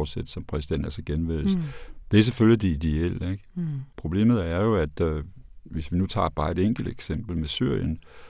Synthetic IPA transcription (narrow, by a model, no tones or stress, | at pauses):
sed̥sɒ̽mpʰʁɛsid̥en̰d̥æ̰lsɐɡ̥enʋel̰sd̥e̝æɐseføljid̥iid̥eel̰eɡ̥pʰʁo̝b̥le̝̰ːmð̩ˠæɐjo̝æd̥ | ʋe̝sʋinut͡sʰɑ̰̈ːb̥ɑ̈ːe̝d̥eŋ̰ɡ̥l̩d̥eɡ̥sem̰b̥l̩mesyɐ̰jən